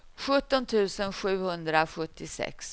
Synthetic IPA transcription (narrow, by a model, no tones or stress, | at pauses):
ɧɵt̪ːɔnt̪ʰʉ̟ːsənɧʉ̟ːhɵnd̪ɾaɧɵt̪ːɪsɛ̰ks